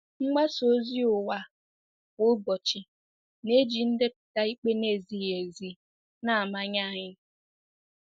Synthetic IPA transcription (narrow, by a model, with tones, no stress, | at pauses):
ŋ͡m̩˦ɡ͡ba˦so˦zi˦ʊ˨wa˨ | ʊ˦bɔ˨t͡ʃɪ˨ | ne˦d͡ʒi˨n̩˦de˦pʊ̥˨ta˦i˦k͡pe˦ne˦˨zi˦˨je˨zi˨ | na˦a˨ma˦ɲa˦˨ɲɪ˦